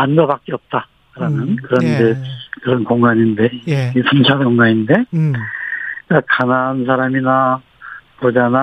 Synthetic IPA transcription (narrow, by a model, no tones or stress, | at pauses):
anɡʌbak͈eʌp̚t͈a | ɯɾanɯnkɯɾʌndekɯɾʌnkoŋɡaɲinde̞esʰɯnt͡ɕʰankoŋɡaɲinde̞ | kakanansʰaɾamina | mod͡ʑana